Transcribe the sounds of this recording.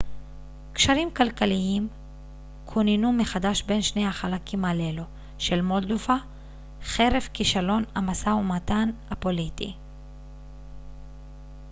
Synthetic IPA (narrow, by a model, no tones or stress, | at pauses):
kʃaʁimkalkaliim | kʰoninumeχadaʃbe̞nʃnehaχalakʰimalelo | ʃe̞lmo̞ld̪ova | χe̞ʁe̞vkiʃalo̞namasaumatanapo̞litḭ